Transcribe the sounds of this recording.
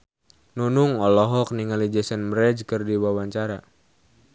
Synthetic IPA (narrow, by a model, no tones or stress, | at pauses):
nunuŋɔlɔɦɔk̚niŋalid͡ʒɛsɛnmɾɛd͡ʒkɨrdiwawaɲt͡ʃaɾa